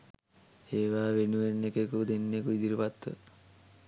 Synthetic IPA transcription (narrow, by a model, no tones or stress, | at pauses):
eːʋaːʋenuʋenːekekud̪enːekuid̪iɾupat̪ʋə̰